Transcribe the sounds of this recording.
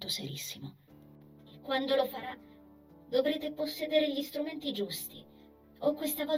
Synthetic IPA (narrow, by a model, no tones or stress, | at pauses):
t̪osḛɾisːimo | ekːwand̪olofaɾa | d̪ovɾeːt̪eposːeːd̪eɾeʎist̪ɾument̪id͡ʒust̪i | okːwest̪akɔ